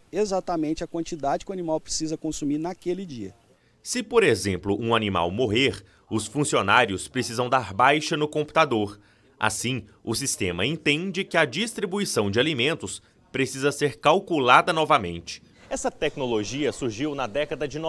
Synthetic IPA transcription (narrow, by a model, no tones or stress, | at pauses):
ezat̪ɐmẽnt͡ʃɪɐkwɐ̃nt͡ʃid̪ad͡ʒɪkʲɪwanimawpɾesizɐkõsumiɾnɐkelɪd͡ʒiɐ̰ | sɪpoɾezẽmplʊʔũanima̰wmoɦeɾ | ʊsfũsionaɾiʊspɾesizɐ̃w̃d̪aɾbajʃɐnʊkõmpu̥t̪ad̪oɾ | ʔa̰sĩʊsist̪ẽmɐẽnt̪ẽnd͡ʒɪkɪɐd͡ʒist̪ɾibuisɐ̃w̃d͡ʒɪalimẽnt̪ʊs | pɾesizɐseɾkawkulad̪ɐnɔvɐmḛ̃nt͡ʃɪ̥ | ɛsɐt̪ɛknoloʒiɐsuɾʒiwnɐd̪ɛkɐd̪ɐd͡ʒɪn